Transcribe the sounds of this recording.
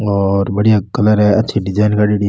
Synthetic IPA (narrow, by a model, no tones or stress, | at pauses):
ɔːɾbɐɽijakɐləɾɦɛɐtːʃʰiɖɪd͡ʒaːɪnkaɖiɖi